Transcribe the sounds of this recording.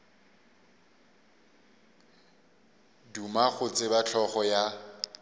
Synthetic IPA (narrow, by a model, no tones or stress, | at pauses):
dumaɣʊt͡sʼɪbat͡ɬʰɔχɔja